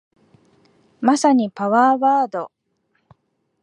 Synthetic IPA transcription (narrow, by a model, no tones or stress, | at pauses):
masaɲ̟ipaβaːβaːd̪o̞